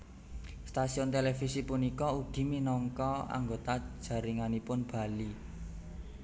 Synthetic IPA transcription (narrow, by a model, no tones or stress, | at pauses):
st̪asiʊnt̪elefisipunikɔud̪̥i̤minɔŋkɔa̰ŋɡot̪ḁʒ̥a̤ɾiŋanipʊnb̥a̤li